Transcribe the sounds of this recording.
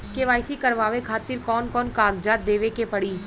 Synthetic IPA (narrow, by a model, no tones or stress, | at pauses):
keʋaːɪsikɐɾʋaːʋekʰaːt̪ɪɾkɔːnkɔːnkaːɡd͡ʒaːt̪̚d̪eːʋekepɐɽiː